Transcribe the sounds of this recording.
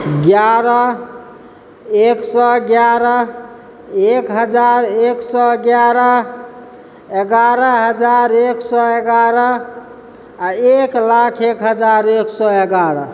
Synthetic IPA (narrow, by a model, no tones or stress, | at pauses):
ɡjaɾə | eksɔɡjaɾə | ekɦəd͡ʒaɾeksɔɡjaɾə | eɡaɾəɦəd͡ʒaɾeksɔeɡaɾə | aeklakʰekɦəd͡ʒaɾeksɔeɡaɾə